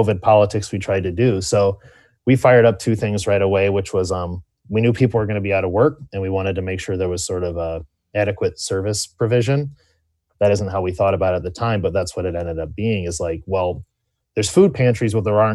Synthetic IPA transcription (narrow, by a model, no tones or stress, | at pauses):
ʊvɨd̚pʰɑlˠətʰɪkswitʰɹ̥aɪd̚tɨdʉsoʊ | wifaɪə˞ɾʌp̚tʰʉθɪ̃ŋzɹaɪɾəweɪwət͡ʃwʌzʌ̃m | winjʉpʰipl̩ˠə˞ɡʌnɨbiaʊɾʌvwɜ˞k̚ɨ̃nwiwɑ̃ɾ̃ɨd̚tʰɨmeɪkʃʊɹðə˞wʌz̥sɔɹɾʌvʌ | æɾɨkwɨtsɜ˞vɨspʰɹ̥ɨvɪʒɨ̃n | ðɨɾɪz̃n̩tɦaʊwiθɔɾəbaʊɾɨt̪̚ðɨtʰãɪ̃mbʌt̪̚ðætswʌɾɨɾɛ̃ndɨɾʌp̚b̥iɪ̃ŋɨzlaɪk̚wɛlˠ | ðə˞z̥fud̚pʰæ̃nt͡ʃɹ̥izwə˞ðə˞ɑ